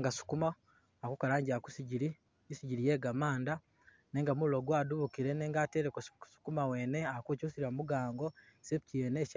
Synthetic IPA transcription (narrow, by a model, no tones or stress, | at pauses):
ŋɡasu̥kuma | akukalaːɲɟiaku̥siɟiɾi | isiɟiɾije̞ːɡamaːnda | neːŋɡamuloɡwaːduβukiɾeneːŋɡaːteːɾekosu̥kumawe̞ːne̞akucusiɾamuɡaːŋɡo̞ | sepcijeneʃ